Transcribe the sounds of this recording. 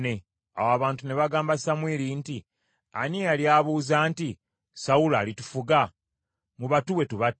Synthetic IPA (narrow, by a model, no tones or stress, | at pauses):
ne̞ | a̰waβaːntune̞βaɡaːmbasamwiːɾinti | a̰nialjaːβuːzaːnti | sawula̰ːlitufuɡa | muβatuwe̞tuβa